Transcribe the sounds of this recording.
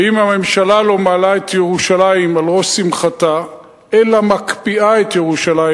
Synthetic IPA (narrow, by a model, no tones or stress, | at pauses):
imhame̞mʃalalo̞maːlaet̪jeʁuʃalaimalʁosimχat̪a | ʔelamakpiʔae̞t̪jeʁuʃalaj